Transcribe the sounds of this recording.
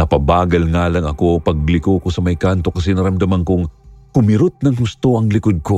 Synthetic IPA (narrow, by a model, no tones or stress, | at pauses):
nɐpɐbaːɡɐlŋaːlɐŋɐko̞pɐɡ̚lɪkoːkosɐmɐjkant̪o̞kɐsɛnɐɾɐmd̪ɐmɐŋkoŋkʊmɪɾot̪̚nɐŋɦʊst̪oʔɐŋlɪkod̪̚ko̞